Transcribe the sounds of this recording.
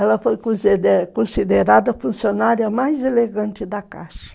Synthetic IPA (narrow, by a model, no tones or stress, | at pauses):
ɛlɐfojkõskõsid̪eɾad̪ɐfũsionaɾiɐmajzeleɡɐ̃nt͡ʃɪd̪ɐka̰ʃɐ̥